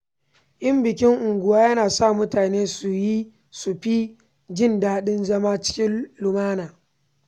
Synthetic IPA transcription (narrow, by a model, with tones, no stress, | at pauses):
ʔɪ˦mbɪ˨kʲɪ˦ŋʔʊ˨ŋɡʷʊ˨waː˦jɐ˦naː˨sa˦˨mʊ˦taː˨neː˦su˨ji˦ | su˨ɸi˦ | d͡ʒɪ˦nda˨˦ɗɪ˦nzɐ˦maː˦t͡ʃɪ̥˦kʲɪ˦lʊ˨maː˦naː˨